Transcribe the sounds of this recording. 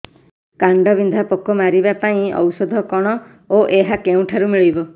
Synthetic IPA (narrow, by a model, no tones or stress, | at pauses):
kaɳɖɔbind̪ʱapɔkɔmaɾibapaĩɔ̰wsɔd̪ʱɔkɔɽ̃ɔ | oʔeɦakeũʈʰaɾumiɭibɔ